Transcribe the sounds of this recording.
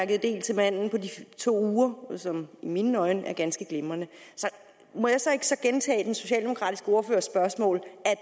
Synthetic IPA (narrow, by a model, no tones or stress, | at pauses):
ɐɡəð̩ˠd̥e̝̰ːlt͡sʰe̝mæn̰n̩pʰɒ̽dit͡sʰo̝̰ːuːɐsɒ̽miminnɒ̽ɪnəʔæɐɡ̥ænsɡ̥əɡ̥lemɐnəsɒ̽ | mɒ̽jɑ̈sɒ̽e̝ɡ̥ə̥sɒ̽ɡ̥ent͡sʰɛ̰ːd̥enso̝ɕɛ̰ːld̥e̝mo̝kʰʁɑ̰̈ːd̥isɡ̥əo̝ːɐfø̰ːɐsb̥ɶɐsmɔ̰̽ːlæ